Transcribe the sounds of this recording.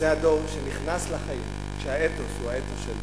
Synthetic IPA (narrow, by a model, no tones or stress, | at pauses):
eɦado̞ʁʃeniχnaslaχajim | ʃehaet̪oshuaet̪oʃel